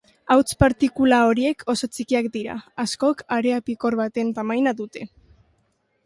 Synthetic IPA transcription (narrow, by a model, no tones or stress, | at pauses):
awt͡spaɾt̪ikulao̞ɾie̞kʰo̞so̞t͡sikiakd̪iɾa̰ːsko̞kaɾeapiko̞ɾβat̪e̞nt̪amajnaðut̪e̞